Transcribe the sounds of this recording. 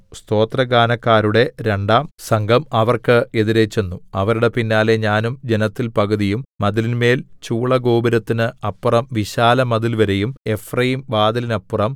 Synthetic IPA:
st̪o̞ːt̪rɐɡaːnɐkːaːɾuɽe̞ɾe̞ɳɖaːmsɐŋɡʱɐmɐʋɐrkɨe̞ðiɾe̞t͡ɕːe̞nːuɐʋɐɾuɽe̞pinːaːle̞ɲaːnumd͡ʑenɐt̪ːilpɐɣɐðijumːɐðilinme̞ːlt͡ɕuːɭɐɡo̞ːbɐɾɐt̪ːinɨɐpːurɐmʋiɕaːlɐmɐðilʋɐɾe̞jume̞frɐjimbaːd̪ɐlinɐpːurɐm

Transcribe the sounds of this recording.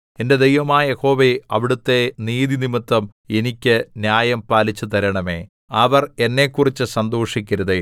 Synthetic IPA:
e̞nde̞d̪ejʋɐmaːɐjeho̞ːʋeɐʋiɽut̪ːe̞niːðinimɨt̪ːɐmenikʲːɨnjaːjɐmpaːlit͡ɕːut̪ɐɾɐɳɐme̞̰ː | ɐʋɐre̞nːe̞ːkːurit͡ɕːɨsɐnd̪oːʂikʲːɐɾuðe

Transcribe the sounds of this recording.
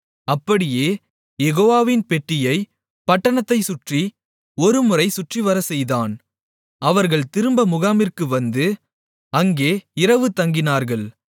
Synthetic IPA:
ɐpːɐɽɪjeː | jɛɣoːʋaːʋɪnpɛʈːɪjɐɪ | pɐʈːɐɳɐt̪ːɐɪsʊʈri | ɔɾɯmɯrɐɪsʊʈriʋɐɾɐsɛjðaːn | ɐʋɐɾɣɐɭt̪ɪɾɯmbɐmʊɣaːmɪrkɯʋɐnd̪ɯ | ɐŋɡeːɪɾɐʋɯt̪ɐŋɡɪnaːɾɣɐɭ

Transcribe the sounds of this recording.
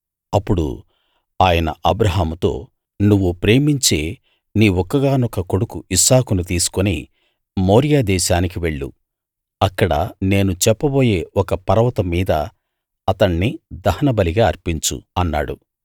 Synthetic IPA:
ɐpːuɽṵ | aːjɐnɐ̰ʔɐbɾɐɦaːmut̪o̞̰ː | nuʋːupɾe̞ːmiɲt͡ʃe̞ː | niːɔkːɐɡaːnɔkɐkoɽukuʔisaːkunut̪̬iːsu̥konḭ | mo̞ːɾijaːd̪ɛːʃaːnikiʋe̞ɭːṵ | ɐkːɐɽɐ̰ne̞ːnut͡ʃɛpːɐbo̞ːje̞ːɔkɐpɐɾɐʋɐt̪ɐmiːd̪ɐ̰ | ɐt̪ɐɳːid̪ɐhɐnɐbɐliɡaːɐɾpiɲt͡ʃṵɐnːa̰ːɽṵ

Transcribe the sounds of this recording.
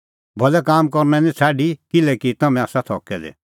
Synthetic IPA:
bʱɔlɛkaːmkɔɾnɛ̃nĩt͡sʰaːɖikɪlɛkit̪ɐmɛ̃aːsat̪ʰɔ̰ːkɛdɛ̰

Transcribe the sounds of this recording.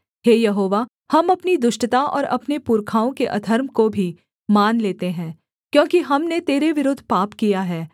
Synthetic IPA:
ɦeːjɐɦoːʋa | hɐmɐpnid̪ʊʃʈət̪aʔɔ̰ːɾɐ̰pnepuːɾkʰaːõkeʔɐd̪ʱəɾmkobʱi | maːnleːt̪eɦɛ̃ː | kjõːkiɦɐmnet̪eːɾeʋɪɾʊd̪ʱpaːpkijaɦɛː

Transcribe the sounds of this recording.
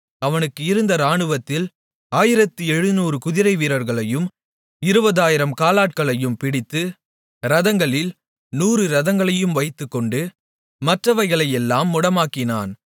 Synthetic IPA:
ɐʋɐnɯkːɯɪɾɯnd̪ɐɾaːɳɯʋɐt̪ːɪl | aːjɪɾɐt̪ːɯɛɻɯnuːɾɯkʊðɪɾɐɪʋiːɾɐɾɣɐɭɐjɯm | ɪɾɯbɐðaːjɪɾɐmkaːlaːʈ̚kɐɭɐjɯmpɪɽɪt̪ːɯ | ɾɐðɐŋɡɐɭɪl | nuːɾɯɾɐðɐŋɡɐɭɐjɯmʋɐɪt̪ːɯkːɔɳɖɯ | mɐʈrɐʋɐɾɣɐɭɐjɛlːaːmːʊɽɐmaːkɪna̰ːn

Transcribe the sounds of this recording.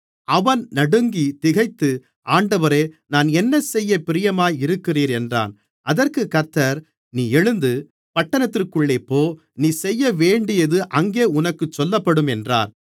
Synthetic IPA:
ɐʋɐnnɐɽɯŋɡit̪ɪɣɐɪt̪ːɯ | ʔaːɳɖɐʋɐɾeːnaːnɛnːɐsɛjːɐpɪɾɪjɐmaːjɪɾɯkːɪriːɾɛndra̰ːn | ʔɐðɐrkɯkɐt̪ːɐɾ | niːɛɻɯnd̪ɯ | pɐʈːɐnɐt̪ːɪrkɯɭːeːpːoː | niːsɛjːɐʋeːɳɖɪjɐðɯʔɐŋɡeːʊnɐkːɯt͡ʃːɔlːɐpːɐɽɯmɛndra̰ːn

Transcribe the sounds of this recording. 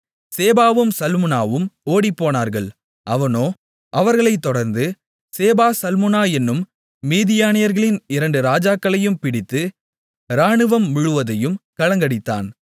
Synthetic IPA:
seːbaːʋɯmsɐlmɯnaːʋɯmoːɽipːoːnaːɾɣɐɭ | ʔɐʋɐnoː | ʔɐʋɐɾɣɐɭɐɪt̪ːɔɽɐɾnd̪ɯ | seːbaːsɐlmɯnaːɛnːɯmː | iːðɪjaːnɪjɐɾɣɐɭɪnɪɾɐɳɖɯɾaːd͡ʒaːkːɐɭɐjɯmpɪɽɪt̪ːɯ | ɾaːɳɯʋɐmːʊɻɯʋɐðɐjɯmkɐɭɐŋɡɐɽɪt̪ːa̰ːn

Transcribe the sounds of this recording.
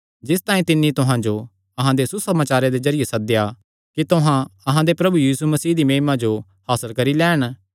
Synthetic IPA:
d͡ʒɪs̬t̪aːĩt̪ɪnːit̪ʊɦãd͡ʒo | ɐɦãd̪esusɐmaːt͡ʃaːɾed̪ezɐɾɪjesɐd̪ja | kit̪ʊɦãɐɦãd̪epɾɐbujiːsumɐsiːd̪imẽːmãd͡ʒo | haːsəlkɐɾilɛːɽ̃

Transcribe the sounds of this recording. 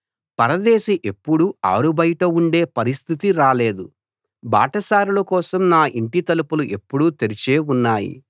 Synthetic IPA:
pɐɾɐd̪ɛːʃiʔe̞pːuɽua̰ːɾubɐjʈɐuɳɖe̞ːpɐɾist̪ʰit̪iɾaːle̞ːd̪u | ba̰ːʈɐsaːɾulɐkɔːsɐmnaːʔiɳʈit̪ɐlupuluʔe̞pːuɽut̪eɾit͡ʃeːunːaːjḭ

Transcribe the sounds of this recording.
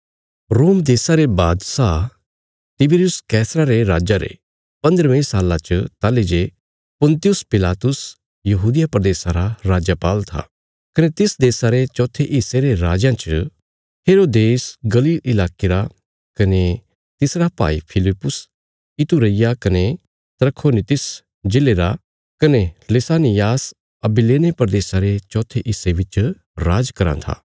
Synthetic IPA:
ɾoːmd̪eːsaɾebaːd̪sa | t̪ɪbɪɾjʊskɛːsɾaɾeɾaːd͡ʒaɾḛ | pɐ̃nd̪əɾʋẽsaːlːãt͡ʃət̪aːled͡ʒe | pʊ̃nt̪ɪjʊspɪlaːt̪ʊs | jɐɦuːd̪ɪjapɾəd̪eːsãɾaɾaːd͡ʒapaːlt̪ʰa̰ | kɐnet̪ɪsd̪eːsaɾet͡ʃɔːt̪ʰeʔɪseɾeɾaːd͡ʒãt͡ʃə | heːɾoːd̪eːsɡɐliːlɪlaːkeɾa | kɐne | t̪ɪsɾapa̰ːḭpʰɪlɪpːʊs | ɪt̪uɾɐɪjakɐne | t̪ɾəkʰːoːnit̪ɪs | d͡ʒeleːɾa | kɐnelesaːnɪjaːs | ɐbileːnepɾd̪eːsaɾet͡ʃɔːt̪ʰeʔɪsebɪt͡ʃ | ɾaːd͡ʒkɐɾã̰t̪ʰa̰ː

